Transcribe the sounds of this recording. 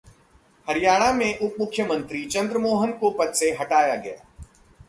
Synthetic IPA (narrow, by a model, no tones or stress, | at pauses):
hɐɾijaːɽ̃amẽʔʊpmʊkʰːjəmə̃nt̪ɾit͡ʃɐ̃nd̪ɾəmoːɦənkopɐt̪seɦɐʈaːjaɡɐ̰ja̰ː